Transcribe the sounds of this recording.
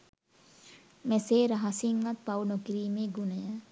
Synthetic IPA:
meseːɾɐɦɐsiŋɡɐt̪̚pɐwnokiɾiːmeːɡunɐjə

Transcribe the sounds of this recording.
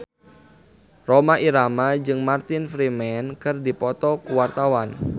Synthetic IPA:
romaʔiɾamad͡ʒɨŋmart̪ɪnfɾimɛnkɨrdipɔt̪ɔkuwart̪awan

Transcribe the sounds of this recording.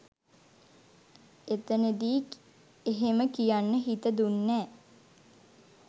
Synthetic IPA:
et̪əned̪iːk | eɦeməkijanːəɦit̪əd̪unːæː

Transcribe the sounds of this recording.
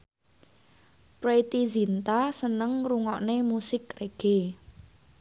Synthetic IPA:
pɾet̪izint̪asənəŋruŋɔʔnemusɪkreɡ̥e

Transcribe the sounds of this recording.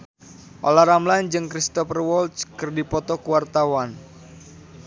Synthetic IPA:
ʔolahɾamland͡ʒɨŋkɾist̪ɔfərwɔlt̪skɨrdipɔt̪ɔkuwart̪awan

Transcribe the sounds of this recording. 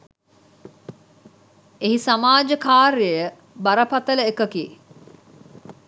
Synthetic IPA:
eɦisamaːd͡ʒəkaːɾejə | bɐɾɐpɐt̪ɐləekɐkiː

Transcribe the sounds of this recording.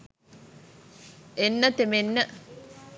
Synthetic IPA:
enːət̪emenːə

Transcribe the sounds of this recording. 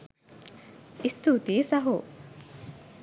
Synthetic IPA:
ist̪ut̪iːsɐɦu

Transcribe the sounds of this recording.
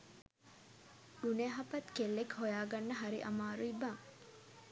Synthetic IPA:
duneɦapɐt̪kelːekhojaːɡanːəɦaɾḭʔamaːɾuibaŋ

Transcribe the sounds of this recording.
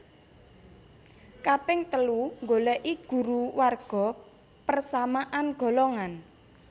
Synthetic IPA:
kapɪŋt̪əluŋɡolɛʔiɡ̥ṳɾuwarɡ̥ɔ̤ | pərsamaʔanɡ̥ɔ̤lɔŋan

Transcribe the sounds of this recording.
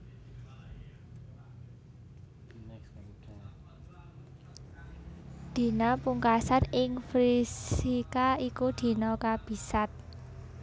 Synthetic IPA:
d̪̥i̤napuŋkasanɪŋfɾisikaikud̪̥i̤nɔkab̥i̤sat̪̚

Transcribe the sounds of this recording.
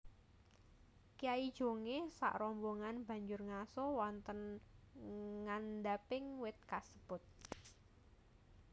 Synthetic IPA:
kijaid̥ʒ̥o̤ŋesa̰ʔrɔmboŋanb̥ä̤ɲd͡ʒʊrŋasɔwɔnt̪ən | ŋand̪apɪŋwɪt̪̚kasə̥b̥ʊt̪̚

